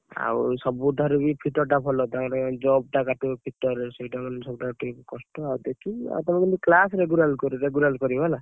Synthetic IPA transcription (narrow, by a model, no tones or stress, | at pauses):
a̰wusɔbuʈaɾubipʰiʈɔɾʈapʰɔlɔt̪aɔ̃ɾad͡ʒɔb̚ʈakaʈupʰiʈɔɾesɔiʈamansɔbuʈauʈupkɔsʈɔawd̪ekʰia̰t̪ɔmãkɔniklasɾeɡuɾalkɔɾuɾeɡuɾalkɔɾibala